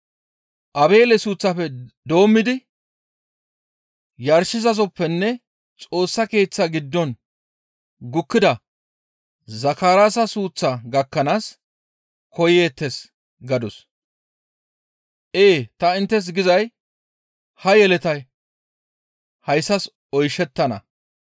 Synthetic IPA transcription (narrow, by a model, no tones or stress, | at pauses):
ʔɐbe̞ːlɛsuːt͡sːɐfɛd̪o̞ːmːɪd̪ɪ | jɐɾʃɪzɐzɔpːɛnːɛ | t͡sʼo̞ːsːɐke̞ːt͡sːɐɡɪd̪ːɔn | ɡʊkːɪd̪ɐ | zɐkaːɾaːsɐsuːt͡sːaɡɐkːɐnaːs | kɔje̞ːt̪ːɛs | ɡɐd̪ɔs | ʔeːt̪ɐɪnt̪ːɛs̬ɡɪzɐj | hɐjɛlɛt̪ɐj | hɐjsːɐs | ɔjʃɛt̪ːɐnɐ̰